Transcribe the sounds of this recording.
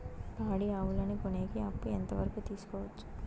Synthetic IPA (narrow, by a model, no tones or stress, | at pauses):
baːɽiaːʋulɐnikoneːɡiɐpːuɛnt̪ɐʋɐɾɐkut̪iːsu̥kɔːʋɐt͡ʃːu̥